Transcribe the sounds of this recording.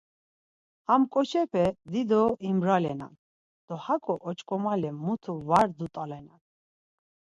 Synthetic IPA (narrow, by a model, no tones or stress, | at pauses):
amkʼɔt͡ʃʰɛpʰɛd̪id̪ɔimɾalɛna̰n | d̪̥ɔhakʼɔʔɔt͡ʃʼkʼɔmalɛmːut̪ʰuvaɾd̪ut̪ʼalɛnan